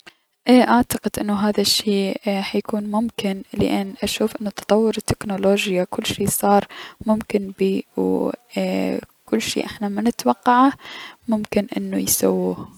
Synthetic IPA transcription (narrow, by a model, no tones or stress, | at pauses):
ʔʔaʕt̪ɑqɪd̪ʔɪnːʊɦaːðaʃːiːħajakuːnmʊmkɪnlɪ̰ʔanːʔaʃuːfʔɪnːʊt̪ɑt̪ˤɑwːʊɾɪt̪ːɪknoloːd͡ʒjakʊlːʃiːsˤɑːɾˤmʊmkɪnbiːw | kʊlːʃḭːʔɪħnamanɪt̪wɑqːɑʕamʊmkɪnʔɪ̰nːujsa̰wːuːh